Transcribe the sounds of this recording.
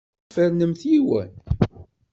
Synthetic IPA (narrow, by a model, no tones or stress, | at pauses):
fəɾnəmθjiwə̰n